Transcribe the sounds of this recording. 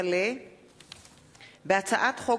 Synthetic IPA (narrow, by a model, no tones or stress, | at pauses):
le | bat͡sʰaʔatχo